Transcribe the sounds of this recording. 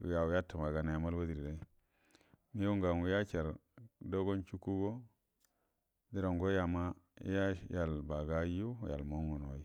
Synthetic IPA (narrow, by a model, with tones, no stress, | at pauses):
ṵ˨ja˨wu˨ja˦ta˨ma˨ɡa˨na˨ja˨ma˦lwa˦di˨ɾi˨ɾa˦i˦ | mi˦jo˦ŋɡa˨nwu˨ja˦t͡ʃa˨ɾdo˦ɡo˦nt͡ʃu˦ku˦ɡo˦ | di˦ɾo˨ŋɡo˦ja˨ma˦ḭ˦ja˦ja˨lba˨ɡa˦ju˦˨ja̰˨lmo˦ŋu˨no˨i˦